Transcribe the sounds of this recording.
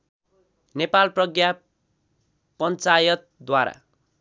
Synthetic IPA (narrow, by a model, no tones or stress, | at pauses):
nepalprʌɡja | pʌnt͡sajʌt̪̚d̪waɾa̰